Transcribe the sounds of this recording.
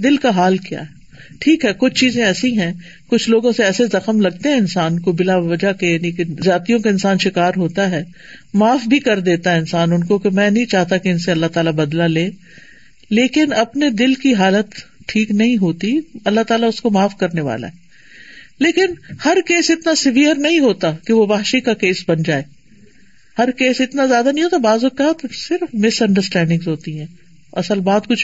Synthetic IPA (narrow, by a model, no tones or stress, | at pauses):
d̪ɪlkaɦaːlkija̰ːɦɛ | ʈʰiːkɦɛːkʊt͡ʃʰt͡ʃiːzẽɛːsĩɦɛ̃ː | kʊt͡ʃʰloːɡõseɛːsezɐxəmlɐɡ̚t̪eɦɛ̃ɪnsaːnkobɪlaʋɐd͡ʒakejaːnikezjaːt̪ijõkaɪnsaːnʃɪkaːɾɦoːt̪aɦɛː | maːfbʱikɐɾd̪eːt̪aɦɛɪ̃nsaːnʊnkokemɛ̃ːnɐɦĩt͡ʃaːɦt̪akeɪnseɐlːat̪aːlabɐd̪laleː | leːkɪnɐpned̪ɪlkiɦaːlət̪ | ʈʰiːknɐɦĩɦoːt̪iɐlːaɦt̪aːlaʊskomaːfkɐɾneʋa̰ːla̰ɦɛː | leːkɪnhɐɾkeːsɪt̪nasɪʋijəɾnɐɦĩɦoːt̪akeʋobaːɦʃikakeːsbɐnd͡ʒaːeː | hɐɾkeːsɪt̪nazjaːd̪anɐɦĩɦoːt̪abaːzokat̪sɪɾfmɪsɐ̃ɳɖəɾsʈɛ̃ːɳɖɪ̃ŋɡzɦoːt̪iɦɛ̃ː | ɐsəlbaːd̪kʊt͡ʃʰ